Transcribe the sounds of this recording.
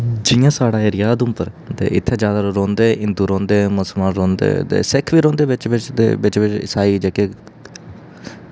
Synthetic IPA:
d͡ʒɪjãːsaːɽaːeːɾɪjaːd̪ʊ̃mpəɾ | t̪ḛːʔɪt̪ʰːeːd͡ʒjaːd̪aːɾõːnd̪eːʔɪ̃nd̪uːɾõːnd̪eːmʊsəlmaːnɾõːnd̪ḛːt̪ḛːsɪkʰʋiːɾõːnd̪eːʋɪt͡ʃʋɪt͡ʃd̪ḛːʋɪt͡ʃʋɪt͡ʃɪ̰saːiːd͡ʒɛːkeː

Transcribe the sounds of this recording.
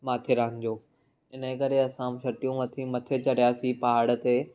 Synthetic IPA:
maːt̪ʰeɾaɦə̃nɪ̆d͡ʑoː | ɪnkɐɾeɐsãʃɐʈijũʋɐt̪ʰĩmɐt̪ʰet͡ɕɐɽijaːsipɐɦaːɽə̆t̪eː

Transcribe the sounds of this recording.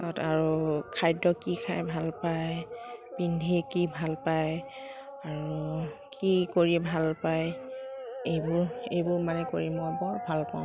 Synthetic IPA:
tɔtaɹukʰajdɔkikʰajbʱalpajpindʱikibʱalpaj | aɹukikoɹibʱalpaj | ejbʊɹejbʊɹmanɛko̰ɹimɔabɔbʱalpaʊ̃

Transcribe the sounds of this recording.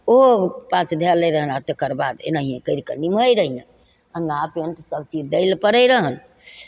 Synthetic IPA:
oɦopãt͡ʃʰd̪ʱeləjɾəɦənat̪əkəɾbad̪ḛnaɦiẽkəɪɾkəniməjɾəɦijẽ | ənapeənt̪əsəb̚t͡ʃid͡ʒd̪eɪlpəɾəjɾəɦəl

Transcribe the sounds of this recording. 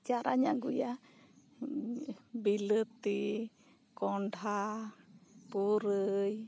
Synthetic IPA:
t͡ʃaɾaɲãŋɡuja | bilət̪i | koɳɖʱa | puɾəj

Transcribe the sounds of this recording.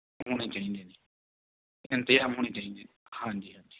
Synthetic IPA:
ɦoːɽ̃eːt͡ʃaːĩːnd̪eːniː | ɪnt̪əjaːmɦoːɽ̃eːt͡ʃaːĩːnd̪eː | hãːɲd͡ʒiːɦãːɲd͡ʒiː

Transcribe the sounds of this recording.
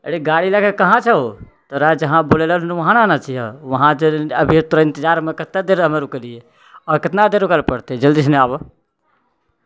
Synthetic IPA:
ə̰ɽiɡaːɽilakekɐɦãt͡ʃʰəo | t̪oɾad͡ʒɐɦãboːlelənnʋɐɦãnanat͡ʃiɦa̰ʋɐɦãd͡ʒəbʱit̪uɾɪ̃nt̪ɪd͡ʒaːɾmẽkɪt̪nad̪eɾəmeɾukəɾie | ɔːɾkɪt̪nad̪eɾukalpəɽt̪ed͡ʒəld̪iːsneaːb

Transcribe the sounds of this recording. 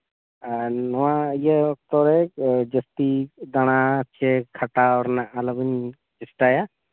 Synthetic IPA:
nɔwaijəɔk̚t̪ɔɾɛd͡ʒəst̪id̪aɽ̃at͡ʃʰɛkʰaʈaɔɾnaʔaləbəɲ | d͡ʒɛsʈaja

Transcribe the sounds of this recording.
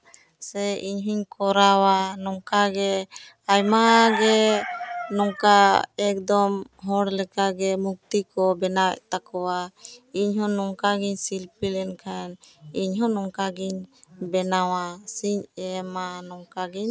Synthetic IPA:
sɛiɲɦiɲkɔɾawanɔŋkaɡɛ | ajmaɡɛ | nɔŋkaɛk̚d̪ɔmɦɔɽlɛkaɡɛmuk̚t̪ikɔbɛnawɛ̰ʔt̪akɔwaiɲɦɔ̃nɔŋkaɡiɲsilpilɛnkʰaniɲɦɔnɔŋkaɡiɲbɛnawasiɲɛmanɔŋkaɡiɲ

